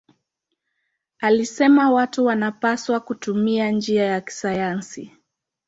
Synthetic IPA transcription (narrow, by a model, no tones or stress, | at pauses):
alisɛmawatuwanapaswakutumiand͡ʒiajaki̥sajansi